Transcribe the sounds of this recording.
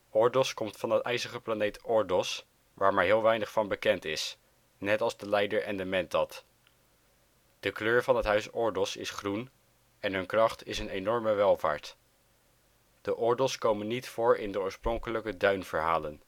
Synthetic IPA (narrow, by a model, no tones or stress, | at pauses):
ɔɹdɪlˠskɔmtfɑnətʔɛjzəχəplanejtɔɹdɔs | ʋaːɹmaːɹɦɪːlˠʋɛjnəχfɑnbəkɛntɪs | nɛtɑlˠzdəlɛjdəɹɛndəmɛntɑt | d̥əkløːɹvɑnɦətɦœɥsɔɹdɔsɪ̰sχrun | ɛnɦɵnkrɑχtɪsənenɔɹməʋɛlˠva̰ːɹt | d̥əʔɔɹdɪlˠskowmənːitfʊːɹɪndəʊːɹsprɔŋkələkədœɥnv̥əɹɦaːlən